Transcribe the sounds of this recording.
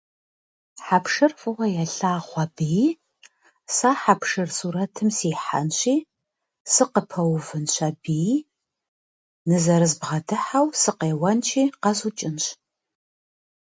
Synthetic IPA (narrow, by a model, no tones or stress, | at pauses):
ħapʂɨrfʷʼʊʁʷɐjɛɬaːχʷɑbij | saːħapʂɨrsuːɾɐtʰɨmsiːħa̰nɕʷʼiː | sɨqəpʰɐwvɨnɕʷɐbij | nɨzɐɾɨzbʁɐdɨħawsɨqeːwɐnt͡ʃʰʼiːqɐzut͡ʃʼɪnɕ